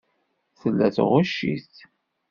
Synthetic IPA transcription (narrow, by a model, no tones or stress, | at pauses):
θəlːæθʁʊʃːḭst̪